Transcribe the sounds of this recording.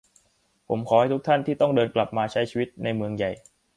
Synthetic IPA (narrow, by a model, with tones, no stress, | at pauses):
pʰo˩˦mkʰɔː˩˦ha˥˩t̪ʰu˦˥t̪ʰa˥˩nt̪ʰiː˥˩t̪ɔ˥˩ŋdɤː˧nkla˨˩p̚maː˧t͡ɕʰa˦˥jt͡ɕʰiː˧wi˦˥t̪̚na˧jmɯ˧əŋja˨˩j